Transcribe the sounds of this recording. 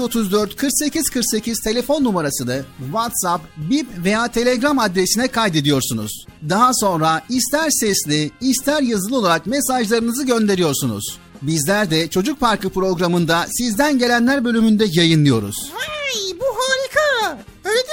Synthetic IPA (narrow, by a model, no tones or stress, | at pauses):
o̞t̪ʰuzd̪øɾt̪kʰɯɾkse̞ciz̥kʰɯɾkse̞cʰiz̥t̪ʰe̞lʲe̞fo̞nːumaɾasɯnɯvat̪sapbipvejaːt̪ʰe̞lʲeɡɾamad̪ɾesinɛkʰajd̪e̞d̪ijo̞ɾsunṵz̥ | d̪aɦaso̞nɾaist̪ʰæɾsɛslʲiːst̪ʰæɾjazɯlˠɯo̞lˠaɾakmesaʒlˠaɾɯnɯzɯɟø̞nd̪e̞ɾijo̞ɾsunṵz̥ | bizlʲæɾd̪ɛt͡ʃʰo̞d͡ʒuk̚paɾkʰɯpɾo̞ɡɾamɯnd̪asizd̪ænɟe̞lʲænlʲæɾbø̞lʲymynd̪ɛjajɯnlˠɯjo̞ɾṵz̥hajbuɦaːɾikʰa | ølʲe